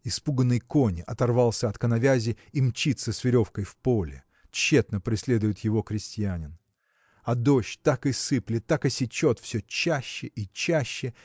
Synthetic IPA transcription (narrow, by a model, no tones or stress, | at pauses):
ɪspuɡənːəjkonʲɪʔɐt̪ɐrvɑlˠsʲəɐt̪kənɐvʲæzʲɪ | imt͡ɕit̪səsvʲɪɾʲo̞fkəjfpolʲɪ̰ | t͡ɕːe̞t̪nəpɾʲɪsʲlʲe̞d̪ʊjʊt̪jɪvo̞kɾʲɪsʲtʲɪjænʲɪn | ɐd̪o̞ɕt̪akɨsɨplʲɪt̪ːakɨsʲɪt͡ɕot̪fsʲɵt͡ɕæɕːɪʔit͡ɕːæɕːɪ